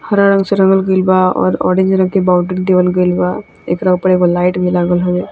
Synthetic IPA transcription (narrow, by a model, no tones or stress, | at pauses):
hɐɾaɾə̃ŋɡseɾɐ̃ŋɡəlɡəilbaɔ̰ːɾɔ̰ːɾɖẽɲd͡ʒɾə̃ŋk̪ebaʊʈəʈd̪eʋəlɡəjlba | ḛːkɾaupəɾekolaːɪʈbʱilaːɡəlɦoe